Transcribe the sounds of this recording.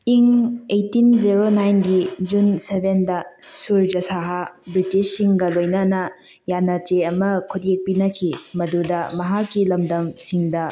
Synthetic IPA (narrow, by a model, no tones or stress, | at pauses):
iŋejtːind͡ʒiɾonajnɡid͡ʒunsebendɐsuɾd͡ʒɐsaɦabɾitisːiŋɡɐlojnɐnɐ | janːɐt͡ʃeɐmɐkʰutjek̚pinɐkʰimɐdudɐmɐɦakːilɐmdɐmsiŋdɐ